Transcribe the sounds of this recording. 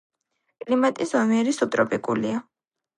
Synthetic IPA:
kʼlimat̪ʼisɔmiɛɾisup̚t̪ʼɾɔpʼikʼṵlia

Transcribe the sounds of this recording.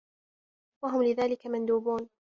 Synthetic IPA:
waɦʊmlɪðaːlɪkamand̪uːbuːn

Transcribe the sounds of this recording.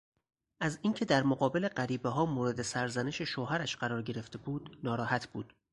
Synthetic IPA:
ʔæziːŋcʰe̞d̪æɾmoɢɒːbe̞le̞ɢæɾiːbeɦɒːmoːɾe̞d̪esæɾzæneʃeʃoːɦæɾæʃɢæɾɒːɾɟe̞ɾe̞ft̪e̞buːd̪̥nɒːɾɒːhæt̪ʰbuːd̪̥

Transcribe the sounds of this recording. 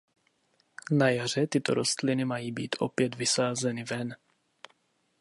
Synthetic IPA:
najar̝ɛt̪ɪt̪o̞̰ɾʔo̞st̪lɪnɪmajiːbiːt̪ʔo̞̰pjɛd̪vɪsaːzɛnɪvɛn

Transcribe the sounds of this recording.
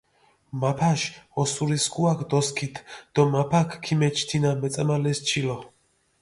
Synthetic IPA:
mapʰaʃɔsuɾiskʰʼuakʰd̪ɔskʰit̪ʰd̪̥ɔmapʰakʰkʰːimɛt͡ʃʰt̪ʰinamɛt̪sʼamalɛst͡ʃʰilɔ

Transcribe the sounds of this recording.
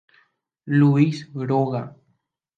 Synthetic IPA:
luisɡɾoɣa

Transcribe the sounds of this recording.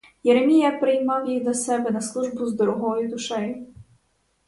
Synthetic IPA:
jeɾemʲijɐpɾɪjmɑwjijd̪ɔsɛbɛnɐslˠuʒbʊzd̪ɔɾɔɦɔjʊd̪ʊʃɛjʊ

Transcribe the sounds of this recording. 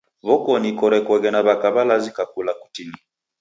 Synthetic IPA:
βɔkɔnikɔɾɛkwɔɣɛnaβakaβalazikakulaku̥tini

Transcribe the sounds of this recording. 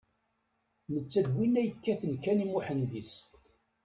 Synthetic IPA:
mət͡sːəðwinæjəkːæθənkænimuħənd̪is

